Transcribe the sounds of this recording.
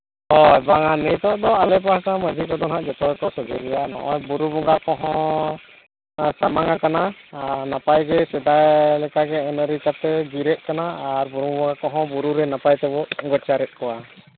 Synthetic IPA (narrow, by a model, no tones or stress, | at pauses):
ɔɛbaŋanɛjt̪ɔd̪ɔalɛp̬astamad͡ʒikɔd̪ɔnɦaʔd͡ʒɛt̪ɔk̪ɔsɔd͡ʒɛlɛjanɔ̰ʔɔjbuɾubɔɡakɔɦɔ̃ | samaŋakananapajɡɛsɛd̪ajlɛkaɡɛɛnəɾit͡ʃat̪ɛɡiɾɛʔ̪̚kanaaːɾbuɾubɔɡakɔɦɔ̃buɾuɾɛnapajt̪ɛbɔʔɡɔt͡ʃaɾɛt̪̚kɔwa